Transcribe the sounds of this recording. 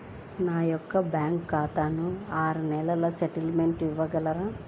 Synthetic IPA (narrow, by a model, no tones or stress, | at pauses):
naːjɔkːɐbjaːŋkːaːt̪aːnuaːɾunɛlɐlɐseʈɐlmeɳʈiʋːɐɡɐlɐɾaː